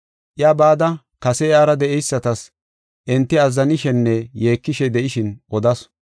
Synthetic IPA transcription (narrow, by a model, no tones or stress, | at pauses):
ʔjaːbaːd̪ɐ | kɐsɛaːɾɐd̪ɛʔɛjsːɐt̪ɐs | ʔɪnt̪ːɪɐzːɐnɪʃɛnːɛje̞ːkːɪʃɛd̪ɛʔɪʃɪnʔɔd̪ɐs